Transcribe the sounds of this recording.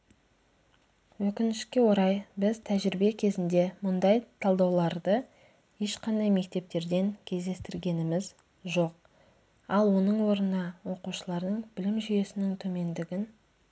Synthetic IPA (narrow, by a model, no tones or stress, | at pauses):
wɵkʲɪnɪʃkʲe̞wo̞ɾɑjbɪzt̪ʰæʒɪɾɪbe̞kʲʰe̞zɪnd̪e̞mʊnd̪ɑjt̪ʰɑlˠd̪ɑwlˠɑɾd̪ə | je̞ʃqɑnd̪ɑjme̞k̚t̪e̞p̚t̪e̞ɾd̪e̞ŋkʲʰe̞zd̪e̞st̪ɪɾɡʲe̞nɪmɪz | ʒo̞q̚ | ɑlˠwo̞nəɴwo̞ɾənɑwo̞quʃəlˠɑɾd̪əɴbɪlɪmʒʏje̞sɪnɪŋt̪ʰɵme̞nd̪ɪɡʲɪn